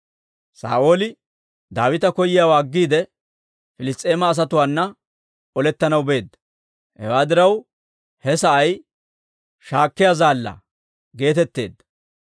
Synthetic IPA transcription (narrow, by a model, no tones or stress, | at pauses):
sa̰ːʔo̞ːlɪ | d̪aːwɪt̪ɐkɔjɪjaːwaːɡːiːd̪ɛ | fɪlɪst̪ʼːe̞ːmɐːs̬ɐt̪ʊwaːnːɐ | ɔlɛt̪ːɐnɐwbe̞ːd̪ːɐ̥ | hɛ̰waːd̪ɪɾɐw | hɛsɐʔɐj | ʃaːkːɪjazaːlːɐ̰ | ɡe̞ːt̪ɛt̪ːe̞̰ːd̪ːɐ̥